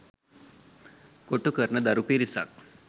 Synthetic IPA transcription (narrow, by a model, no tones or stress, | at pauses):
koʈukəɾnəd̪aɾupiɾisa̰k